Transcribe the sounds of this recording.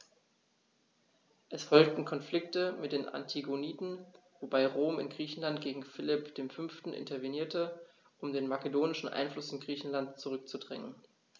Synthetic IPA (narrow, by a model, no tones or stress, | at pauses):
ʔɛsfɔlk̚tn̩kʰɔnflɪk̚təmɪt̚d̥eːnʔa̰ntʰiɡoniːtn̩ | vobaɪʁoːmɪ̰nɡʁiːçn̩lantɡ̥eːɡŋ̩fɪlɪpd̥eːmfʏnftn̩ʔɪ̰ntɐveniːɐtə | ʔʊmdeːnmakedoːnɪʃn̩ʔa̰ɪnflʊsɪnɡʁiːçn̩lantt͡suʁʏk̚t͡sudʁɛŋən